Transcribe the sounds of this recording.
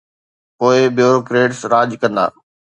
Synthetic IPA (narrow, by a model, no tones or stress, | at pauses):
poːɪbɪjoːɾokɾeːʈsɾaːʄkɐ̃nd̪a̰ː